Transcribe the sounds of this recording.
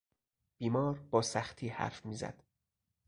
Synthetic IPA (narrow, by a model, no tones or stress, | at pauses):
b̥iːmɒːɾbɒːsæxt̪ʰiːhæ̰ɾfmiːzæ̰d̪̥